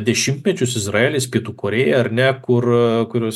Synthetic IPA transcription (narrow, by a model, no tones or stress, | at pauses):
d̪ʲɛʃʲɪmʲt̪ʲmʲɛt͡ʃʲʊsɪzrɑeːlʲeːspʲiɛt̪uːkoːɾʲeːjɛɐrnʲɛkʊrkʊɾʲuɔs